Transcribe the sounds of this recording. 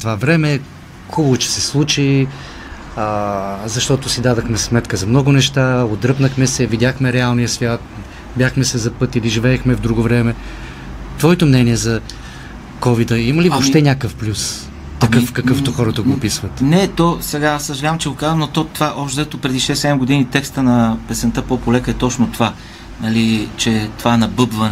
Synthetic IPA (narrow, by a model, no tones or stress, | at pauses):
t̪ovavɾɛmɛ | xubəvʊt͡ʃɛ̥sɛslˠut͡ʃi | əzɐʃt̪ɔt̪ʊsid̪ad̪ɐxmɛsmɛt̪kəzɐmnɔɡʊnɛʃt̪aod̪ɾɤpnəxmɛsɛvidʲjaxmɛɾɛalˠnijəsvʲjat̪̚ | bʲjaxmɛsɛzɐpɤt̪iliʒivɛːxmɛvd̪ɾuɡovɾɛmɛ | t̪vɔɛt̪omnɛniɛzɐ | kɔvid̪əiməlivopʃʃt̪ɛnʲakəfplʲus | t̪ɐkkɤfkɐkɤft̪oxɔɾət̪əɡopisvət̪nɛt̪ɔsɛɡasəʒɛlʲavəmt͡ʃɛɡokazəmnot̪ɔt̪vaʔɔpʃt̪zat̪opɾɛd̪iʃɛsːɛd̪ɛmɡod̪init̪ɛkst̪ənɐpɛsɛnt̪əpopolɛkəɛt̪ɔt͡ʃnot̪ova | nɐlit͡ʃɛt̪ovaɛnɐbɤbvən